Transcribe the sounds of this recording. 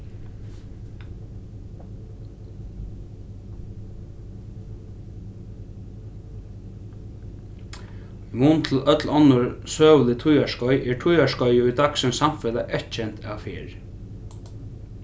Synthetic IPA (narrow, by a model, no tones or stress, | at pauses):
munt̪ʰɪlœt̪lɔnːʊɹsøːʋlɪt̪ʰʊjaʂʃkɔjʔɛɹʈʰʊjaʂʃkɔjɪʊjd̪aksʏnsamfɛlaʔɛht̪t͡ʃʰɛn̥t̪a̰ʋfɪːɹ